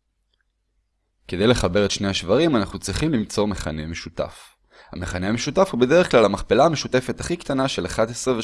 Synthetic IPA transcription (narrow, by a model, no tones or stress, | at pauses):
ke̞d̪e̞jle̞χabe̞ʁetʃne̞jhaʃvaʁimanaχnut͡sʁiχimlimt͡so̞ʁme̞χa̰neme̞ʃut̪a̰f | ha̰meχanehameʃutafhube̞d̪eeχklalamaχpelaːme̞ʃute̞fe̞t̪aχikt̪anaʃe̞laχad̪esʁeve